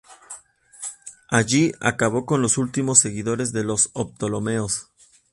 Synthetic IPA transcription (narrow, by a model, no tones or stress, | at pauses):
aʝia̰kaβo̞ko̞nlo̞sult̪imo̞sːe̞ɣiðo̞ɾe̞zðe̞lo̞sop̚t̪o̞lo̞me̞os